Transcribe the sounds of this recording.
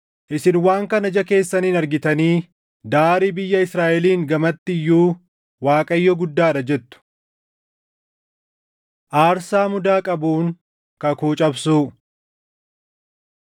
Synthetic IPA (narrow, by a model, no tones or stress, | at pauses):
ʔɪsɪnwaːŋkɐnɐd͡ʒɐke̞ːsːɐniːnɐɾɡɪt̪ɐniː | d̪aːɾiːbɪjːɐɪsɾaːʔɛliːŋɡɐmɐt̪ːɪjːuː | waːkʼɐjːɔɡʊd̪ːaːᶑɐd͡ʒɛt̪ːʊ̥ | ʔaːɾsaːmʊd̪aːkʼɐbuːŋ | kɐkuːt͡ʃʼɐbsuː